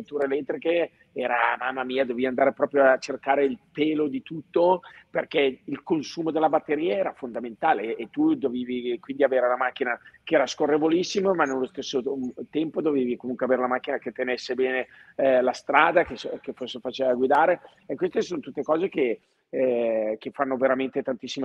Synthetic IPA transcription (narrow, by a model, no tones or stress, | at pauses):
ut̪uːɾeːlɛt̪ːɾike | ɛːɾa̰maːmːamiːad̪oviand̪aːɾepɾɔːpɾjoat͡ʃerkaːɾeilpeːlod̪it̪ut̪ːoperkɛilkonsuːmod̪elːabat̪ːeɾiːaɛːɾafond̪ament̪aːleːt̪ːud̪oviːvikwind̪iaveːɾeulamak̟ːinakeɛːɾaskorːevolisːimomanːelːost̪esːot̪ɛmpod̪oveːvikomuŋkweaveːɾelamakːinaket̪ːenesːebɛːne | last̪ɾaːd̪akeskeforsːefat͡ʃevaɡwid̪aːɾe | ekːwest̪esonot̪ut̪ːekɔːzek̟e | k̟efanːoveɾament̪et̪ant̪isːime